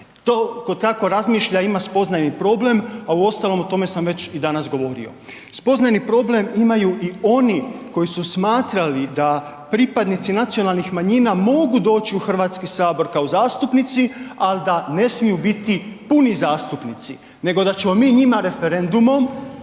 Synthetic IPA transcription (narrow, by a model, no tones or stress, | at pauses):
t̪o̞ːkod̪kako̞ɾazmiːʃʎaimaspo̞znajnipɾo̞ble̞mauo̞st̪alo̞mot̪o̞me̞samʋe̞t͡ɕid̪anasɡo̞ʋo̞ɾḭo̞̰ | spo̞znajnipɾo̞ble̞mimajuʔio̞niko̞jisusmaːt̪ɾalid̪a | pɾipad̪nit̪sinat̪sio̞nalˠnixmaɲiːnamo̞ɡud̪o̞ːt͡ɕiuxr̩ʋaːt̪skisaːbo̞ɾkaozaːst̪upnit̪sialid̪ane̞smijubit̪ipunizaːst̪upnit̪si | ne̞ɡo̞d̪at͡ɕe̞mo̞miːɲimaɾe̞fe̞ɾe̞nd̪umo̞m